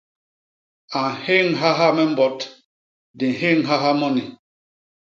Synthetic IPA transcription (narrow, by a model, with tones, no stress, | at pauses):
a˨he˦ŋɦa˦ɦa˦mɛ˦m̩˦bɔ˨t | di˨ɦe˦ŋɦa˦ɦa˦mɔ˦ni˨